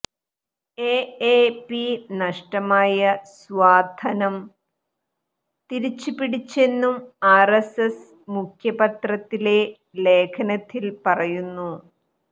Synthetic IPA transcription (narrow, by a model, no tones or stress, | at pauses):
eːeːpinɐʂʈɐmaːjɐsʋaːd̪ʱɐnɐm | t̪iɾit͡ɕːupiɽit͡ɕːe̞nːumaːreses | mukʰjɐpɐt̪rɐt̪ːile̞ | le̞ːkʰɐnɐt̪ːilpɐrɐjunːu